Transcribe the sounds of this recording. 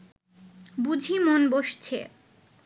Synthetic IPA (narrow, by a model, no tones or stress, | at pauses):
bud͡ʑʱimonboʃt͡ɕʰḛ